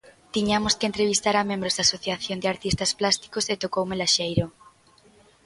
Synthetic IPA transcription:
t̪iɲamoskent̪ɾeβ̞ist̪aɾamẽmbɾozðd̪asoθjaθjond̪eaɾt̪ist̪asplast̪i̥koset̪okowmelaʃejɾo

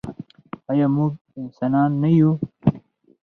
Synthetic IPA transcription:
ɐjaːmũː | insaːnaːnːɐju

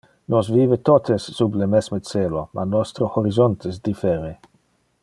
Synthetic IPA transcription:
nɔsviːvet̪ɔt̪ʰesːublemɛsmet͡selomʔa̰nɔst̪ɾohoɾizɔnt̪esd̪ifɛɾe

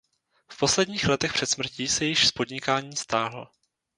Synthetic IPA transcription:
fpo̞slɛdɲiːxlɛt̪ɛxpr̥ɛt̪smr̩ciːsɛjɪʃspo̞dɲɪkaːɲiːst̪aːɦl̩

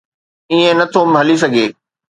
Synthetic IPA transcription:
iẽnɐt̪ʰomɦɐlis̬ɐɡʱeː

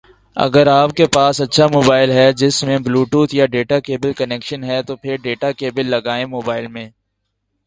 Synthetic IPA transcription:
ɐ̰ɡəɾaːp̚kepaːsɐtːʃʰamoːbaːɪlɦɛd͡ʒɪsmẽbluːʈuːt̪jaɖeːʈakeːbəlkɐnɛːkʃənɦɛt̪opʰɪɾɖeːʈakeːbəlːɐɡaːẽmoːbaːɪlmẽː

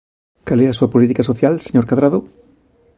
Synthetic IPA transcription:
kalɛasuapolit̪ikasoθjalseɲoɾkaðɾaðo

